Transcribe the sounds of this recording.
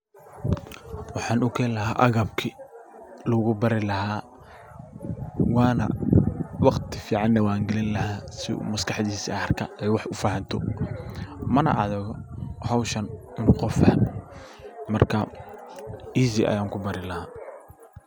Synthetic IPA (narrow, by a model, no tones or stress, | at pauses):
wɑħɑːnʊkʰɛːlɐɦaːʔɐɣɐbkʰi | lɔːɣʊbɐɾɪlɐhaː | wɑːnɐ̰ | wɑqt̪ʰɪfiːʕɑnːɐwaːŋɡɛlɪnlɐɦaːsɪ̰mɐskɑħd̪iːsɐɐrkʰɐɛjwɑħʊfaːhɐnt̪ʰɔ̰ | mɐnɐ̰ʔɐðɪɣɔhɐwʃɐnɪnqɔfɐhɐm | mɐrkʰɐ | iːsiʔɐ̰jaːŋkʰʊbɐɾɪlɐhaː